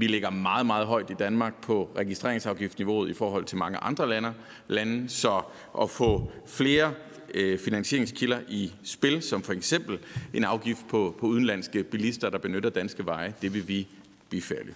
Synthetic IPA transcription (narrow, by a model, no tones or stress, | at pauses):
ʋileɡ̥ɐmɑ̈ːð̞̩ˠmɑ̈ːð̞̩ˠɦɒ̽ɪd̥id̥ænmɑ̈ɡ̥̚pʰɒ̽ʁɛɡ̥isd̥ʁe̝ɐ̰eŋsɑ̈ʊɡ̥ifd̥niʋo̝̰ːð̞̩ˠifɒːɦɒ̽l̰t͡sʰe̝lmɑ̈ŋəʔɑ̈nd̥ʁɐlænɐ | lænsɒ̽ | ʔɒ̽fɔ̰̽ːfle̝ːɐ | finænsɕe̝ɐe̝ŋskʰilɐʔisb̥e̝lsɒ̽mfɒ̽eɡ̥sem̰b̥l̩ʔe̝nɑ̈ʊɡ̥ifd̥̚pʰɒpʰɒ̽uðˠn̩læn̰sɡ̥əb̥ilisd̥ɐd̥ɑ̈b̥e̝nøɾɐd̥ænsɡ̥əʋɑ̈ɪəd̥e̝ʋe̝ʋi | b̥ifæɐ̰li